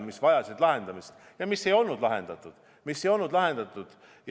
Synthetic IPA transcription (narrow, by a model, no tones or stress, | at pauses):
misvɑjɑsid̪lɑɦe̞nd̪̥ɑmist̪ | jɑmisːe̞jo̞lnud̪lɑɦe̞̰nd̪̥ɑt̪ːˑud̪̥ | misːe̞jo̞lnud̪lɑɦe̞nd̪̥ɑt̪ːˑud̪̥ | j